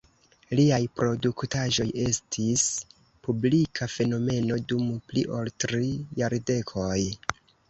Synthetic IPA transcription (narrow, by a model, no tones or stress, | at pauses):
liajpɾo̞duktaʒo̞je̞stʰis | publikʰafe̞no̞me̞no̞dumpliʔo̞ltɾijaɾde̞kʰoj